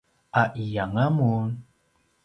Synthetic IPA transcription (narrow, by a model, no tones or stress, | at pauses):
aʔijaŋamun